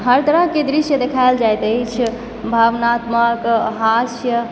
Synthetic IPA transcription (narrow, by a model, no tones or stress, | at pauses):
ɦəɾt̪əɾəɦked̪ɾiʃjəd̪ekʰaeld͡ʒajt̪ət͡ʃʰ | bʱaʋnat̪məkɦasjə